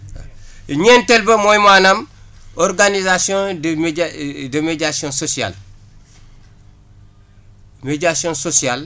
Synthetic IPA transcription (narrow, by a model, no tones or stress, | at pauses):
ɲentelbemojmanamoɾɡanizasiõdmdəmeɟasiõsosia̰l | meɟasiõnsosial